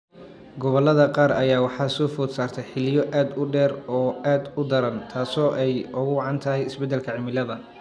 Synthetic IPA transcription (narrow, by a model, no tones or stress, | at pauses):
ɡɔβɔlɐðɐqɑːɾɐjaːwɑħɑsɔːfɔːd̪saːrt̪ʰɛjħɪlɪjɔʔaːd̪ʊɖɛːrɔːaːd̪ʊd̪ɐɾɐnt̪ʰaːsɔːʔɛjʔʊɣʊwɑʕɑnt̪ʰɐɦɛjɪsbɛd̪ɛlkʰɐʕɪmɪlɐðɐ